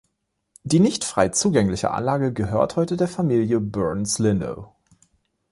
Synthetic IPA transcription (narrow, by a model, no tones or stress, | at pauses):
d̥iːnɪçtfʁ̥aɪt͡suːɡɛŋlɪçə̰ʔa̰nlaːɡəɡəɦøːɐthɔʏtədeːɐfamiːljəbœɐnslɪndo̰ʊ